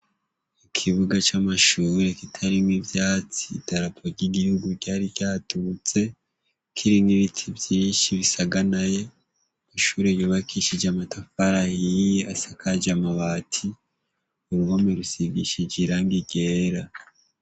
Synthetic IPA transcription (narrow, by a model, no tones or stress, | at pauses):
ikʰiβuɡat͡ʃamaʃuːɾe̞kitʰaɾimŋivjaːt͡si̥ːtaɾapʰoɾɟiɡihuɡuɾɟaːɾijaːtut͡se̞ | kʰiɾimɡiβitʰivjiːnʃiβisaɡanaje̞ | maʃuːɾejoːβakʰiʃid͡ʒamatafaɾajiasakʰad͡ʒamaβaːtʰi | uɾuβomeɾusiɡiʃid͡ʒiɾaŋɡiɡe̞ːɾa